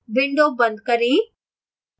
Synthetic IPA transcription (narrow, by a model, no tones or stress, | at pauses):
bɪɳɖobɐ̃nd̪̚kɐɾĩː